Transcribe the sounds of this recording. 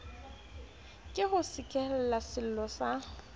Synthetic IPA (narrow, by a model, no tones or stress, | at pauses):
kʼɪhʊsɪkʼɛlɛlasɪl̩lɔsa